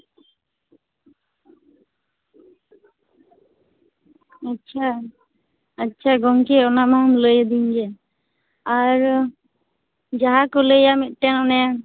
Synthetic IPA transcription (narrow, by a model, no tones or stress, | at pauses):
atːt͡ʃʰaː | tːt͡ʃʰaɡɔŋkeɔnamamləjəd̪iɲd͡ʒɛ | aɾ | d͡ʒaɦakɔləjamit̪̚ˀʈɛnɔnaja